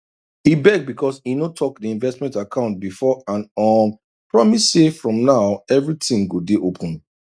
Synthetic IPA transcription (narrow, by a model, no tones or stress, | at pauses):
ibɛɡ̚bikʰɔsinotʰɔkdiĩnvɛstmɛ̃ntakʰãʊ̃nt̚bifɔãnɔ | pɹɔmissefɹɔ̃mnaʊɛvɹitĩŋɡodeʔopʰɔ̃n